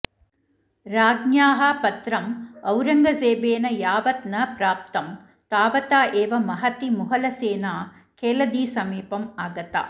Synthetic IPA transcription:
ɾaːɡnjaːɦɐpɐt̪ɾɐmɐwɾɐŋɡɐseːbeːnɐjaːʋɐt̪nɐpɾaːp̚t̪ɐm | t̪aːʋɐt̪aːʔeːʋɐmɐɦɐt̪imʊɦɐlɐseːnaː | keːlɐd̪iːsɐmiːpɐmaːɡɐt̪a̰ː

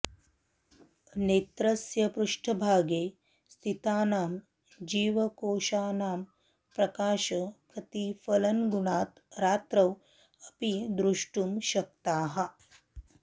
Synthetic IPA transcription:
neːt̪ɾɐsjɐpɾuʂʈʰɐbʱaːɡeː | st̪ʰit̪aːnaːm | d͡ʒiːʋɐkoːʃaːnaːm | pɾɐkaːʃɐkʰɐt̪ifɐlɐnɡuɳaːt̪ | ɾaːt̪ɾɐw | ɐpid̪ɾuʂʈumʃɐk̚t̪aːɦɐ̆

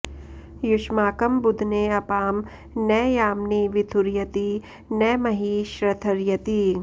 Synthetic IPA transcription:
jʊʃmaːkɐmbʊd̪ʱneɐpaːm | nɛːjaːmniʋɪt̪ʰʊɾjɐt̪i | nɛːmɐɦiːʃɾɐt̪ʰɐɾjɐt̪i

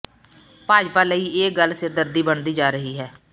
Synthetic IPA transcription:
paːd͡ʒpaːləiːeːɡəlsɪɾd̪əɾd̪iːbəɳd̪iːd͡ʒaːɾəɦiːɦɛː

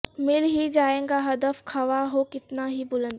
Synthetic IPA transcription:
mɪlɦid͡ʒaːẽːŋɡaɦɐd̪əfkʰɐʋaɦokɪt̪naɦibʊlə̃nd̪

